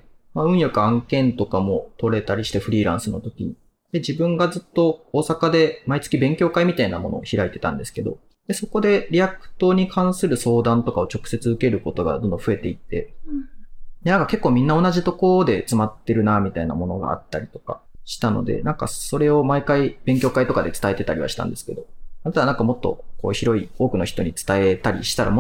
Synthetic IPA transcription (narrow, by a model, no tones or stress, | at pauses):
maɯ̟̃ɰ̃jokɯãŋkẽ̞nt̪o̞kamo̞t̪o̞ɾe̞t̪aɾʲiɕi̥t̪e̞ɸɯ̟ɾʲiːɾã̰ɰ̃sɨno̞t̪o̞kʲḭ | d̪̥e̞d͡ʑibɯ̟̃ŋɡad͡zɨt̪ːo̞oːsakad̪e̞mait͡sɨ̥kʲibẽ̞ŋkʲo̞ːkaimʲit̪aina̰mo̞̰no̰ːçiɾait̪e̞t̪ã̰nd̪e̞sɨ̥ke̞d̪o̞̰ | d̪̥e̞so̞ko̞d̪e̞ɾʲiakɯ̥t̪o̞ɲ̟ikʰãɰ̃sɨɾɯ̟so̞ːd̪ãnt̪o̞kao̞t͡ɕo̞kɯ̟̥se̞t͡sɨɯ̟ke̞ɾɯ̟ko̞t̪o̞ɡa̰d̪õ̞nd̪õɸɯ̟e̞t̪e̞it̪ːe̞̰ | d̪enãŋkake̞kːoːmʲĩnːao̞naʑit̪o̞ko̞ɾod̪e̞t͡sɨmat̪ːe̞ɾɯ̟namʲit̪aina̰mo̞no̞ɡa̰a̰t̪ːaɾʲit̪o̞ka̰ɕi̥t̪ano̞̰d̪e̞̰nãŋka̰so̞ɾe̞o̞maikaib̥ẽ̞ŋk̬ʲo̞ːkait̪o̞kad̪e̞t͡sɨ̥t̪ae̞t̪e̞t̪aɾʲḭβaɕi̥t̪ã̰nd̪e̞sɨ̥ke̞d̪o̞aet̪anãŋkamo̞t̪ːo̞̰ko̞̰ːçiɾo̞io̞ːkɯ̟no̞çi̥t̪o̞ɲ̟it͡sɨ̥t̪ae̞t̪aɾʲḭɕi̥t̪aɾa̰